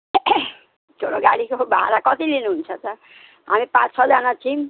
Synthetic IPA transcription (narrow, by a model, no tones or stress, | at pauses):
t͡ʃoɽoɡaɽikobaɦa̰ɾakɔt̪ilinunt͡ʃʰat̪a | a̰mipãt͡ʃsʰɔdanat͡ɕʰim